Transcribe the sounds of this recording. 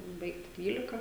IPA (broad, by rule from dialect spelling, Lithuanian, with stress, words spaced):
ˈbɐɪktʲɪ ˈdʲʋʲiːlʲɪkɐ